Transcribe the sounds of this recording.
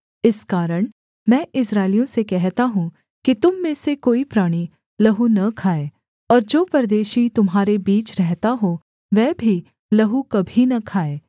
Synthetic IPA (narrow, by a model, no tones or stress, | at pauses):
ɪskaːɾəɽ̃ | mɛ̃ːʔɪsɾaːɪlijõsekɛɦt̪aɦũ | kit̪ʊmːẽsekoːipɾaːɽ̃i | lɐɦunɐkʰaːeː | ɔːɾd͡ʒoːpɐɾd̪eːʃit̪ʊmɦaːɾebiːt͡ʃɾɛɦt̪aɦo | ʋɛːbʱi | lɐɦukɐbʱinɐkʰaːeː